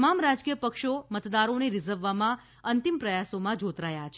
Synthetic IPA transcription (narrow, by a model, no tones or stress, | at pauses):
mamɾad͡ʒkijəpəkʃomət̪d̪aɾoneɾizəɾʋːamã | ənt̪impɾəjasomãd͡ʒot̪ɾajat͡ʃʰ